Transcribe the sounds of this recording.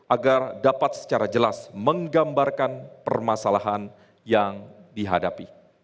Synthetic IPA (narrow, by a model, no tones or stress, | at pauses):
ʔaɡardapat̪̚sə̥t͡ʃaɾad͡ʒəlasməŋɡambarkanpərmasalaɦan | jaŋdiɦa̰dapi